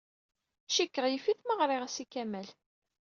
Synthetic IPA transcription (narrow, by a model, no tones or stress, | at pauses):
ʃikːəʁjifiθməʁɾˤɪʁæsikæmæl